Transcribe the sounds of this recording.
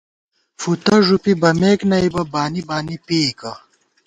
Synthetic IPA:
fut̪ɐʐupibɐmeːknɐibɐbaːnibaːnipeːkɐ

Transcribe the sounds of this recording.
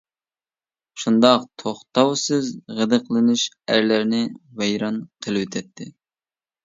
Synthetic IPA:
ʃund̪ɑqt̪ʰoχt̪ɑwsɨzʁəd̪ɨqʰəlˠɨnɪʃ | æɾlæɾnɪvɛjɾɑnqʰəlˠɨwøt̪ʰɛt̪ʰːɪ

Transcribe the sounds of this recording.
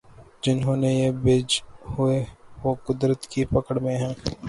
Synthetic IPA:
d͡ʒɪnɦõːnejebeːd͡ʒhʊeʋoːkʊd̪ɾət̪kipɐkəɽmẽɦɛ̃ː

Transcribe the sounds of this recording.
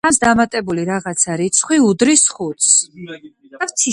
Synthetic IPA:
amsd̪amat̪ʼɛbuliɾaʁat̪sʰaɾit̪sʰχwiud̪ɾisχut̪s | aft̪sʰi

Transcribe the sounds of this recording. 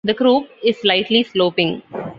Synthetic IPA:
d̪əkɾuːpɪzslaɪʈlisloːpɪ̃ŋ

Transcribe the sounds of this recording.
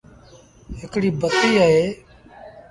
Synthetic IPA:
ɦɪkɽiːbət̪iːəɦeː

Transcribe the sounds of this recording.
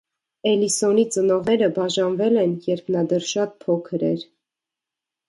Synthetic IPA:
ɛlisɔnit͡sənɔʁnɛɾəbɑʒɑnvɛlɛnjɛɾpʰnɑd̪ɛɾʃɑt̪̚pʰɔkʰəɾɛ̰ɾ

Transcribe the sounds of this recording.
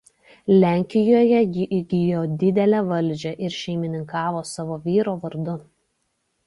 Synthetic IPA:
lʲæˑŋʲkʲɪjoːjɛjɪʔɪɡʲɪjoːd̪ʲɪd̪ʲɛlʲɛʋɐlʲd͡ʒʲɛʔɪɾʃʲɛɪmʲɪnʲɪŋkɑːʋoːsɑʋoːʋʲiːɾoːʋɐɾd̪ʊ

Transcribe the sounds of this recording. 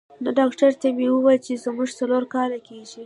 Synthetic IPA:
noɖɑkʈaɾt̪amewəwɑjəlt͡ʃezmuʒt͡saloɾkɑlakeʒi

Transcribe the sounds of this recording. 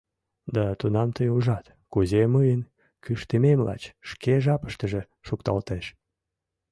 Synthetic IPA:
d̪ɑt̪unɑmt̪əjuʒɑt̪ | kuzeməjən | kyʃt̪əmemlɑ̰t͡ɕʃkeʒɑpə̥ʃt̪əʒe | ʃukt̪ɑ̰lt̪eʃ

